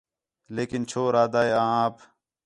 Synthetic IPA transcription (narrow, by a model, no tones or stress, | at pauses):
leːkɪnt͡ʃʰoːɾaːd̪aːeãːãːp